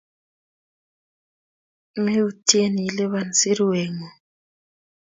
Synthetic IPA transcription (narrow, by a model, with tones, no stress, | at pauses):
me˦u˦tʰʼi˦e˦ni˨i˨lɛ˦βa˨nsi˦ɾi˦wɛː˨ŋɔ˨